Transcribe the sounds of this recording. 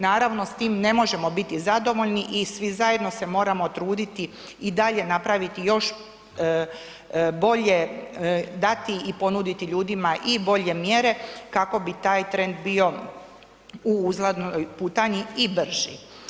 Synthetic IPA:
naːɾaʋno̞st̪iːmne̞mo̞ʒe̞mobit̪izad̪o̞ʋo̞ʎniʔisʋizaje̞d̪no̞se̞mo̞ːɾamo̞t̪ɾuːd̪it̪i | id̪aʎe̞napɾaʋit̪ijo̞ʃ | bo̞ʎe̞ | d̪at̪iipo̞nud̪it̪iʎuːd̪imaʔibo̞ʎe̞mjeɾe̞kako̞bit̪aːjt̪ɾe̞nd̪bio̞ | uuzlad̪nojpuːt̪aɲiibr̩ʒḭ

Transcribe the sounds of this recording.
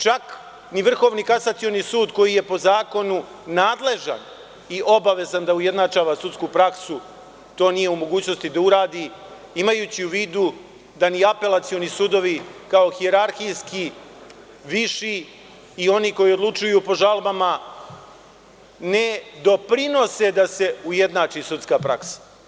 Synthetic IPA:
t͡ʃak | niʋr̩xo̞ːʋnikasat̪sio̞nisuːd̪ko̞jije̞po̞zaːko̞nu | naːd̪le̞ʒa̰n | iʔo̞baʋe̞zand̪auje̞d̪nat͡ʃaːʋasut̪skupɾaksu | t̪o̞ːnije̞umo̞ɡuːt͡ɕno̞st̪id̪auɾaːd̪i | imajuːt͡ɕiuʋiːd̪u | d̪aniape̞lat̪sionisud̪o̞ʋikao̞xieɾaɾxijski | ʋiʃiː | o̞niko̞jio̞d̪lˠut͡ʃujupo̞ʒalˠbama | ne̞d̪o̞pɾino̞se̞d̪ase̞uje̞d̪naːt͡ʃisut̪skapɾaksḁ

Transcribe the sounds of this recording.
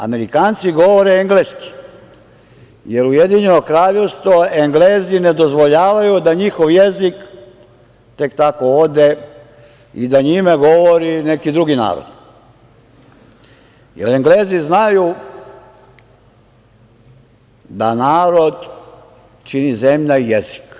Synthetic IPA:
a̰me̞ɾikaːnt̪siɡo̞ʋoɾeeŋɡleːski̥ | je̞ɾujed̪iɲe̞no̞kɾaːʎe̞ʋst̪ʋoeŋɡleːzine̞d̪o̞zʋoʎaːʋajud̪aɲixo̞ʋjezik | t̪e̞kt̪ako̞od̪e | id̪aɲimaɡo̞ʋoɾine̞kid̪ɾuɡina̰ːɾo̰d̪ | jḛɾeŋɡleːziznaju | d̪anaːɾo̞d̪ | t͡ʃinizemʎaijezi̥k

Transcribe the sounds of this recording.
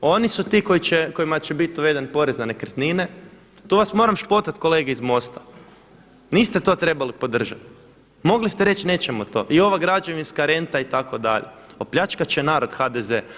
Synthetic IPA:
o̞nisut̪iːko̞it͡ɕeko̞imat͡ɕebit̪̚d̪oʋe̞d̪enpo̞ɾeznane̞kr̩t̪nine | t̪uːʋasmo̞ɾamʃpo̞t̪at̪ko̞leɡeizmo̞st̪ḁ | niːst̪e̞t̪o̞t̪ɾe̞balipo̞d̪r̩ʒat̪ | mo̞ɡlist̪eɾe̞t͡ʃne̞ːt͡ɕemot̪oːʔio̞ʋaɡɾad͡ʒeʋinskaɾe̞nt̪ait̪ako̞d̪a̰ʎḛ | opʎat͡ʃkat͡ɕenaːɾo̞d̪xad̪eze

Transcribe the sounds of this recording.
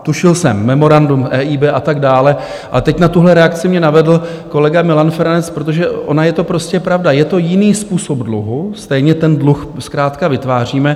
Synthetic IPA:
t̪uʃɪlsɛmːɛmo̞ɾandumʔɛːʔiːbɛːʔat̪aɡdaːlɛ | ʔalɛt̪ɛcnat̪uɦlɛɾɛakt͡sɪmɲɛnavɛdl̩ | ko̞lɛɡamɪlanfɛɾanɛt͡spɾot̪̬o̞ʒɛʔo̞najɛt̪o̞pɾo̞scɛpɾavdajɛt̪o̞jɪniːspuːsobdluɦust̪ɛjɲɛt̪ɛndluxskɾaːt̪kavɪt̪vaːr̝iːmɛ

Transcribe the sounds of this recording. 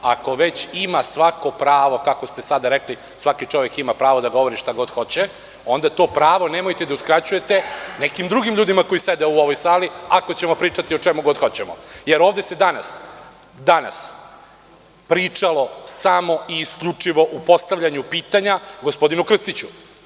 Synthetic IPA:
a̰ko̞ʋe̞t͡ɕimasʋako̞pɾaːʋo̞kakost̪e̞sad̪aɾekli | sʋakit͡ʂo̞ʋjekimapɾaːʋo̞d̪aɡo̞ʋo̞ɾiʃt̪aɡo̞d̪xo̞t͡ɕe | o̞nd̪at̪o̞ːpɾaːʋo̞nemojt̪ed̪auskɾat͡ɕuje̞t̪enekimd̪ɾuɡimʎuːd̪imako̞ised̪euo̞ʋojsaːliako̞t͡ɕe̞mo̞pɾiːt͡ʂat̪io̞t͡ʂemuɡo̞d̪xo̞t͡ɕemo̰jeɾo̞ːʋd̪esed̪ana̰s | d̪ana̰s | pɾit͡ʂalo̞samo̞iːskʎut͡ʂiʋo̞ʔupo̞st̪aʋʎaɲupiːt̪aɲaɡospo̞d̪inukr̩st̪it͡ɕu

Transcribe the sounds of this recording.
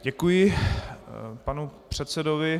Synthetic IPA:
ɟɛkujɪ | panupr̝̥ɛt̪sɛdovɪ

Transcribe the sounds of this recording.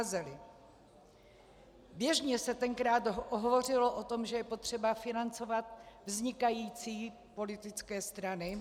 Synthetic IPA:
zɛlɪ | bjɛʒɲɛsɛt̪ɛŋkɾaːt̪oɦovo̞rɪloʔot̪o̞mʒɛjɛpo̞t̪r̝̥ɛbafɪnant͡so̞vat̪vzɲɪkajiːt͡siː | po̞lɪt̪ɪt͡skɛːst̪ɾanɪ

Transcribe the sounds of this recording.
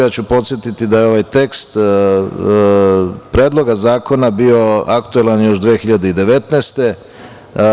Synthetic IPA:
jaːt͡ɕupo̞t̪sje̞t̪it̪id̪ajeo̞ʋajt̪e̞kst̪ | pɾe̞ːd̪lˠo̞ɡazaːko̞nabio̞akt̪uelanjo̞ʃd̪ʋeːxiʎad̪e̞id̪e̞ʋe̞t̪neːst̪e̞

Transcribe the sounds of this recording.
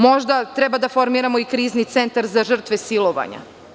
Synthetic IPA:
mo̞ʒd̪at̪ɾɛbad̪afo̞ɾmiːɾamo̞ikɾiːznit̪sent̪aɾzaʒr̩t̪ʋesilˠo̞ʋa̰ɲa̰

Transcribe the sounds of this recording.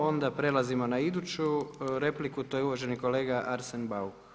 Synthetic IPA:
o̞nd̪apɾe̞lazimo̞naid̪ut͡ɕuɾe̞plikut̪ojeuʋoʒe̞niko̞le̞ːɡaʔaɾsenbau

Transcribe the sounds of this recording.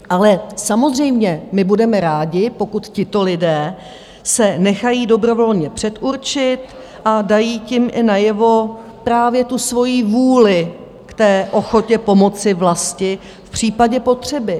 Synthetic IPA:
ʔalɛsamo̞zr̝ɛjmɲɛmɪbudɛmɛɾaːɟɪpo̞kut̪cɪt̪o̞lɪdɛː | sɛnɛxajiːdo̞bɾo̞vo̞lɲɛpr̥ɛt̪ʔuɾt͡ʃɪt̪ | ʔadajiːcɪmʔɪnajɛvo̞ | pɾaːvjɛt̪usvo̞jiːvuːlɪ | kt̪ɛːʔo̞xo̞cɛpo̞mo̞t͡sɪvlascɪ | fpr̝̥iːpaɟɛpo̞t̪r̝̥ɛbɪ

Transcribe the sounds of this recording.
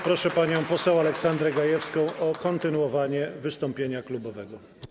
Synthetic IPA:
pɾɔʂɛpaɲɔ̃w̃pɔsɛw̃alɛksand̪ɾɛɡajɛfskɔ̃w̃ɔkɔnt̪ɘnuɔvaɲɛvɘst̪ɔmpʲjeɲaklubɔvɛɡɔ

